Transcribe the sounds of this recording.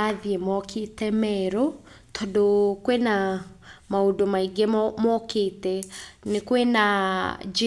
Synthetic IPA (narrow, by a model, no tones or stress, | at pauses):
aðiemɔkʰetɛmɛɾo | tʰɔdokwena | maodomaiɡemɔketɛnekwenad͡ʒ